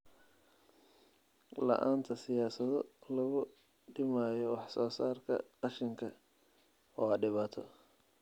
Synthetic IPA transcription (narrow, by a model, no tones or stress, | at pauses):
lɐ̰ʔa̰ːnt̪ʰɐsɪjaːsɐðɔlɐɣʊ | ɖɪmaːjɔwɑħsɔːsaːrkʰɐ̰qɑʃɪŋkʰɐ | ɔːɐɖɪβaːt̪ʰɔ̰